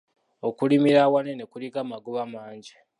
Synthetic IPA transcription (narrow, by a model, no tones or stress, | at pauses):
okulimiɾawanenekulikamaɡuβamaːɲɟi